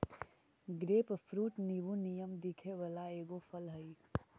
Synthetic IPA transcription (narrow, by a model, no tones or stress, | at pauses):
ɡɾeːppʰɾuːʈnibunijəmd̪ikʰeʋəlaeːɡopʰəlɦəj